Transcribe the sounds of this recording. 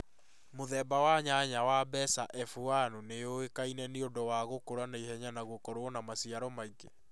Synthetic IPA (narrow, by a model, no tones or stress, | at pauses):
moðɛbawaɲaɲawabɛsaʔɛfuanoneoekainɛneondɔwaɣokoɾanaihɛɲanaɣokɔɾoɔnamasiaɾɔmaiɡe